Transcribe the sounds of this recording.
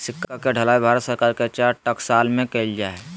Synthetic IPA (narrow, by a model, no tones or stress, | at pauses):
sɪkʰːakeɖʱəlaːibʱaːɾət̪səɾkaːɾket͡ʃaːɾʈəksaːlmẽkeld͡ʒaːe